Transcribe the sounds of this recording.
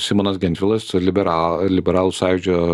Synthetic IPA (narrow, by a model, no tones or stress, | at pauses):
sʲɪmoːnɐsɡʲɛnt̪ʲʋʲɪlˠɐslʲɪbʲɛɾɑːlʲɪbʲɛɾɑːlˠʊsɑːjʲɪd͡ʒʲo